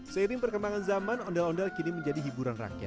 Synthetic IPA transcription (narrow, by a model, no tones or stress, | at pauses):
səiɾɪŋpərkəmbaŋanzamanɔndɛlɔndɛlkiniməɲd͡ʒadiɦibuɾanra̰kija̰t̚